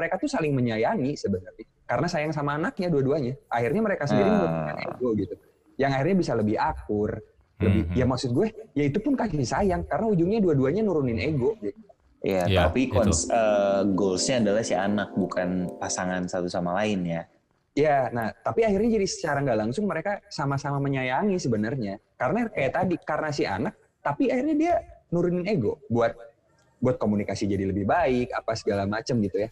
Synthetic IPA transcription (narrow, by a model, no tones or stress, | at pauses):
məɾekat̪usalɪŋməɲajaŋisəbənarɲa | kaɾənasajaŋsamaːnak̚ɲaduaduaɲaʔaɦirɲaməɾekasəəndiɾɪuḛɡoɡit̪u | jaŋahirɲabisaləbɪhak̚ʊr | ləbɪjamaksʊt̪̚ɡuɛjait̪upʊnkasisajaŋkaɾənaud͡ʒuŋɲaduaduaɲanuɾunɪneɡod͡ʒadi | ḭjat̪apikɔsəɡolsɲaːdalahsianak̚bukanpasaŋansat̪usamalaɪnja | janaht̪apiahɪrɲad͡ʒadisə̥t͡ʃaɾaŋɡalaŋsʊŋməɾekasamasamaməɲajaŋisəbənərɲakaɾənakajat̪ːadikaɾənasia̰nak̚ | t̪apiahirɲadianuɾunɪneɡobuat̪̚ | buat̪̚komunikasid͡ʒadiləbɪhbaɪkapasəɡalamat͡ʃəmɡit̪uja